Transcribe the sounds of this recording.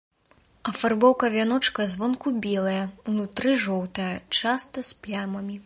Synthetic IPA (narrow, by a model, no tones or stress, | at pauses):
ɐfarbɔwkɐvʲanɔt͡ʂkɐzvɔnkubʲɛlˠɐjɐunut̪ɾɨʐɔwt̪ɐjɐt͡ʂast̪ɐsplʲamɐmʲi